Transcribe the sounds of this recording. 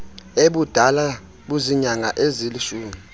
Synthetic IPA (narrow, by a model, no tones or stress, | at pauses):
eɓud̥ʱala | ɓuziɲaŋa̰ʔeziliʃuːmi